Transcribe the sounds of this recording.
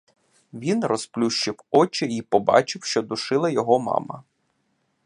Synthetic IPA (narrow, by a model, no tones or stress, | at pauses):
ʋʲinrɔsplʲuʃt͡ʃɪwɔt͡ʃɪipɔbɑ̰t͡ʃɪwʃt͡ʃɔd̪ʊʃɪlˠɐjɔɦɔmɑ̰mɐ̰